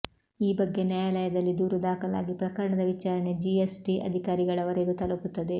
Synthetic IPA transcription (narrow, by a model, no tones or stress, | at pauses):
iːbɐɡːe̞njajalɐjɐd̪ɐlːid̪uːɾɐd̪aːkɐla̰ːɡipɾɐkɐɾɐɳɐd̪ɐʋit͡ʃaːɾɐne̞d͡ʒiesʈiɐ̰d̪ʱikaːɾiɡɐɭɐʋɐɾed̪ut̪ɐlɐput̪ːɐd̪e̞